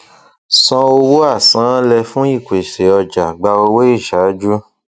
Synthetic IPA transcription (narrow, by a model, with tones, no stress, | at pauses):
sɔ̃˧o˧wo˦a˦˨sã˨˦lɛ˧fũ˦i˦˨kʷe˨ʃe˨ɔ˧d͡ʒa˨ɡ͡ba˧o˧we˦i˦˨ʃa˨˦d͡ʒu˦